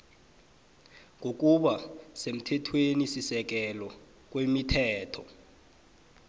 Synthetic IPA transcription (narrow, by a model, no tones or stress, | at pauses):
ŋɡʱok̬ʼuɓasem̩tʰɛtʰwenisisɛk̬ɛlɔ | k̬wemitʰɛːtʰɔ